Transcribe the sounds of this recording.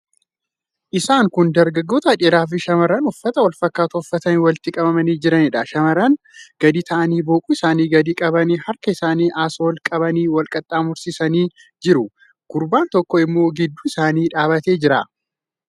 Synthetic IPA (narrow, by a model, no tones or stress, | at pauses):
ʔɪsaːŋkʊnd̪ɐɾɡɐɡːo̞ːt̪ɐːᶑɪɾaːf̬ɪʃɐmɐɾɐnʊfːɐt̪ɐwɐlfɐkːaːt̪ʊʊfːɐt̪ɐniwɐlt̪ɪkʼɐbɐmɐniːd͡ʒɪɾɐnɪᶑɐʃɐmɐɾɐn | ɡ̥ɐd̪iːt̪ʰɐʔɐniːboːkʼuːɪsaːniːɡɐd̪iːkʼɐbɐniːhɐɾkɐɪsaːniːʔaːsoːlkʼɐbɐniːwɐlkʼɐt̪ʼːaːmʊɾsisɐniː | d͡ʒɪɾʊ | ɡ̥ʊɾbaːnt̪ɔkːɔɪmːo̞ːɡɪd̪ːuːɪsaːniːᶑaːβɐt̪e̞ːd͡ʒɪɾɐ̰